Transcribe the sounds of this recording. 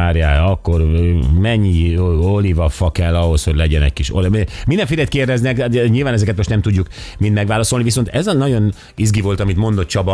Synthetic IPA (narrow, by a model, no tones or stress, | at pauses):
aːrjaːɒkːo̞rmɛɲːiolivɒfɒkɛlːɒɦo̞sho̞ɟlɛɟɛnɛ̰c̚kiʃolmind̪ɛɱfiːlɛt̪keːrd̪ɛznɛkɲiːlvaːnɛzɛkɛt̪mo̞ʃt̪nɛmt̪uɟːukmind̪mɛɡʋaːlɒsolniviso̞nt̪ɛzɒnɒɟo̞n | izɡivo̞lt̪ɒmit̪mo̞nd̪o̞t̪̚t͡ʃɒbɒ